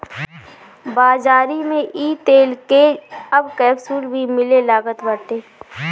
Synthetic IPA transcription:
baːzaːɾimẽʔiːt̪eːlkeɐbkɛːbsuːlbʱimɪlelaːɡət̪bəʈeː

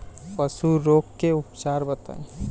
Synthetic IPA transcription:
pəsuɾoːkːeʊpt͡ʃaːɾbət̪ã̰

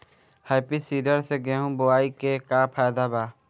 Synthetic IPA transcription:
haːpiːsiːɖəɾseɡeːɦũːbʊaːikeːkaːpʰaːjd̪aːbaː

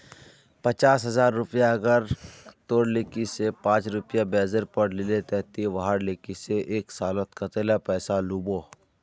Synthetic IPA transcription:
pɐt͡ʃaːsɦɐzaːɾːʊpjaɐɡəɾt̪oːɽlɪkisepãːt͡ʃɾʊpjabɛːzəɾpɐɾlɪlet̪ɛɦt̪iʋaɦaɽlekiseʔeːksaːlət̪kat̪eːlapɛːsaluːboː

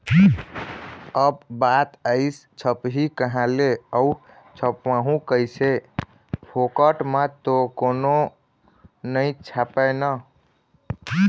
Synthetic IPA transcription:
əbbat̪əɪst͡ʃʰəpɦikəɦãleəu | t͡ʃʰəpʋãɦũkəjse | pʰokəʈmət̪okono | nəĩt͡ʃʰapənə

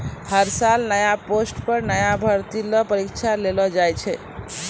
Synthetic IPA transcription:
həɾsalnəjaposʈpəɾnəjabʱəɾt̪ilɔpəɾikt͡ʃʰalelɔd͡ʒajt͡ʃʰɛ

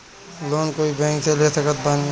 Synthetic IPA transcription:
loːnkoːibɛ̃ːŋkseleːsəkət̪̚ban

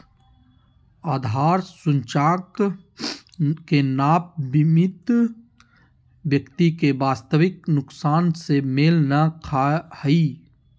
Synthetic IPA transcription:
aːd̪ʱaːɾsʊ̃nt͡ʃaːk | kenaːp̚bɪmɪt̪ | ʋjəkt̪ikeʋaːst̪əʋɪknʊksaːnsemɪlnakʰahiː

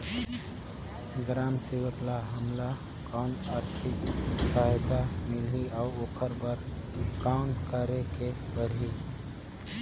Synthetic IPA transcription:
ɡɾaːmsiwəklaɦəmla | kɔːnaːɾt̪ʰɪksəɦjt̪amɪlɦiaʊɾoːkʰəɾbəɾ | kaʊnkəɾekepəɾɦi

